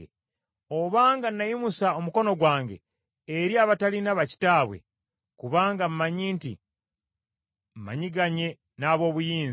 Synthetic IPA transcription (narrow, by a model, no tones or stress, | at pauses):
o̞βaːŋɡanːajimusao̞muko̞no̞ɡwaːŋɡḛ | eɾiaβatalinaβaci̥taːβwe̞̰ | kuβaːŋɡam̩maɲiːntḭ | m̩ma̰ɲiɡaɲe̞ | naːβo̞ːβujiːnz